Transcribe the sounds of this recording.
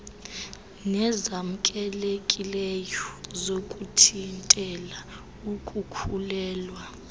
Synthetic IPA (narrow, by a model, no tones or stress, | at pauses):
nɛzam̩kʼɛlekʼilɛjɔzokʼutʰintʼɛla | ukʼukʰulɛːlwa